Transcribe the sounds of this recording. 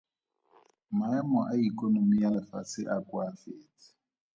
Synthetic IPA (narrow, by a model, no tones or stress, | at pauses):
maamɔʔaikʼɔnomijalɛfasɪʔakʼwafeːti̥